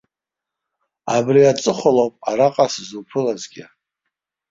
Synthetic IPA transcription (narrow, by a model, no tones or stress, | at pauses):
abriat͡sʼɨχʷolopʼaɾaqʼaszupʰɨlazɡʲɪ